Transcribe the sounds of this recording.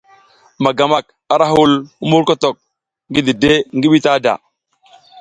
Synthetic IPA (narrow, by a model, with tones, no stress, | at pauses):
ma˨ɡa˨ma˨k̚ | a˨ɾa˦ɦu˦lu˦mu˦ɾko˦to˨k̚ | ŋɡi˦di˨de˦ŋɡi˦ɓi˦ta˦da̰˨